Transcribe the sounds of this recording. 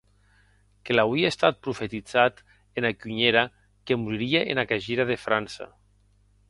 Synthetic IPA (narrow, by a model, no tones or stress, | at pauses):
kelawiest̪at̪̚pɾufet̪id͡zat̪ | enakyɲeɾa | kemuɾiɾieʔḛnakaʒiɾaðefɾansa̰